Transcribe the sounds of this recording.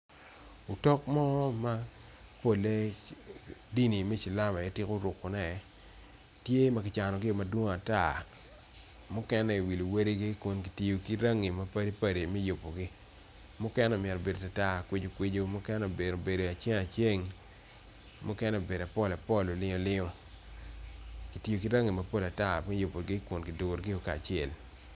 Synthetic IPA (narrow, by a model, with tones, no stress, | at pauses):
u˨tɔ˦k̚mɔ˦ma˦ | po˦le˦ | di˦ni˨me˦t͡ʃi˨la˦ma˨jɛ˦tɪ˦ko˦ɾʊ˨kːo˨nɛ˨˦ | tje˦ma˦kɪ˨t͡ʃa˨nɔ˨ɡɪ˦˨ma˦dwo˦ŋ˦a˨ta˦˨ | mʊ˦kɛ˦nɛ˦i˨wi˨li˨we˦ɾi˦ɡi˦kʊ˨nki˨ti˨jo˨ki˦ɾa˦ŋi˨ma˦pa˦ɾi˦pa˦ɾi˨mi˦jo˨pːo˨ɡɪ˦ | mʊ˦kɛ˦nɛ˦o˨mɪ˨ɛ˨ɾɔ˨be˨do˨ta˨ta˦˨kwe˦d͡ʒo˨kwe˦d͡ʒo˦mʊ˦kɛ˦nɛ˦o˨be˨ɾo˨be˨do˨a˨t͡ʃe˦ŋa˨t͡ʃe˦ŋ | mʊ˦kɛ˦nɛ˦o˨be˨da˨pɔ˦˨la˨pɔ˦lo˨lɪ˦o˦lɪ˦ŋo˦ | ki˨ti˨jo˨ki˦ɾa˦ŋi˨ma˦po˦la˨ta˦mɛ˦jo˨po˨ɡɪ˦kʊ˨nkɪ˨do˨ɡɾɡɪ˦jo˦kaː˨t͡ʃɪ˦e˨l